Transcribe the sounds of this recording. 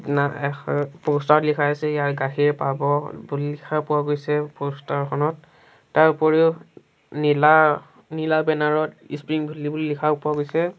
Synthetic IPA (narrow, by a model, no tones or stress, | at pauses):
naɛpostatlikʰajasɛjaɹɡaxʰiɹpabɔbullikʰapʊwaɡojsɛpostaɹkʰɔnɔtː | aɹupɔɹiʊ | nila | nilabɛnaɹɔtispɹiŋbʱulːibullikʰapʊaɡojsɛ